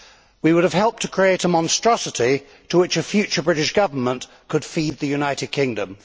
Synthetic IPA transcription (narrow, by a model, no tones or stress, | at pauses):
wiwʊɾəv̥hɛlˠp̚tʰəkʰɹ̥ieɪɾəmɑ̃nstɹ̥ɒsətʰi | tʰəwɪt͡ʃəfjʉˑt͡ʃə˞bɹɪɾɪʃɡ̥ʌvəmə̃n | kʰəd̥fiːd̪̚ðəjʉnaɪtɪd̚kʰɪ̃ŋdə̃m